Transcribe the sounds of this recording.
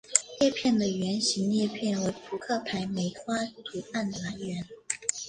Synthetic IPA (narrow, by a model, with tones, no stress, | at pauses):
ljɛ˥˧pʰjɛ˥˩nd̪ə˩ɥɛ˧˥nɕi˧˥ŋnjɛ˥˧pʰjɛ˥˩nwe˧˥ɪpʰu˧˥kʰɤ˥˩pʰa˧˥ɪme˧˥ɪtʰwa˥t̪ʰu˨˥a˥˩nə˨la˧˥nɥɛ˧˥n